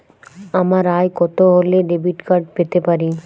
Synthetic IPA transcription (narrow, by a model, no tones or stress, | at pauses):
amaɾajkɔt̪oɦoleɖebiʈkaɾɖpet̪epaɾi